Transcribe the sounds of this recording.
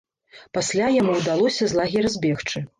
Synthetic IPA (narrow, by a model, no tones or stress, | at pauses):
pasʲlʲajamuwd̪alˠɔsʲɐzlˠaɣʲɛrzʲbʲɛxt͡ʂɨ